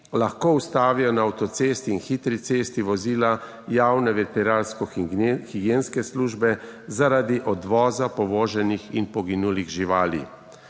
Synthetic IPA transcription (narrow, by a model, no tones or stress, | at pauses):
laxkoːust̪aːʋijɔnaːwt̪ɔt̪sest̪iːnxit̪ɾit̪seːst̪iʋɔziːla | jaːwnɛʋɛɾpɛɾaːlskɔxiɡjeːnskɛsluːʒbɛzaɾad̪iʔɔd̪ʋɔːzapɔʋoːʒɛnixinpɔɡinuːliɣʒiʋaːlḭ